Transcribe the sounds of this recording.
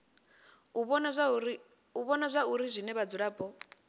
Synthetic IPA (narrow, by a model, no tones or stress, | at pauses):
uβɔna | uβɔnazʷauɾizʷinɛβad͡zuɺaːbɔ